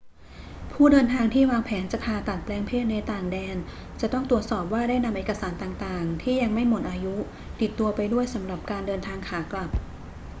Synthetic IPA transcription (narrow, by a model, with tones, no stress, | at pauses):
pʰuː˥˩dɤː˧nt̪ʰaː˧ŋt̪ʰiː˥˩waː˧ŋpʰɛː˩˦nt͡ɕa˨˩pʰaː˧t̪a˨˩t̪̚plɛː˧ŋpʰeː˥˩t̪̚na˧jt̪aː˨˩ŋdɛː˧n | t͡ɕa˨˩t̪ɔ˥˩ŋt̪ɾu˨˩ət̪̚sɔː˨˩p̚waː˥˩daː˥˩jna˧mʔeː˨˩ka˧saː˩˦nt̪aː˨˩ŋt̪aː˨˩ŋt̪ʰiː˥˩ja˧ŋma˥˩jmo˨˩t̪̚ʔaː˧ju˦˥ | t̪i˨˩t̪ːu˧ɐpa˧jdu˥˩əjsa˩˦mɾa˨˩p̚kaː˧ndɤː˧nt̪ʰaː˧ŋkʰaː˩˦kla˨˩p̚